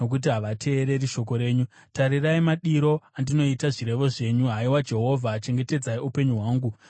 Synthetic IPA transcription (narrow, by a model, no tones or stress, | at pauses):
ok̬ut̬iɦaʋatʰe̞ːɾe̞ɾiʃo̞ko̞ɾe̞ːɲu | taɾiraimaɗiɾo̞andino̞itaʐiɾe̞ʋo̞ʐe̞ɲuɦaiwad͡ʒe̞ɦo̞vʱaːt͡ʃe̞ŋɡe̞te̞d͡zaiupe̞ɲuɦwaːŋɡu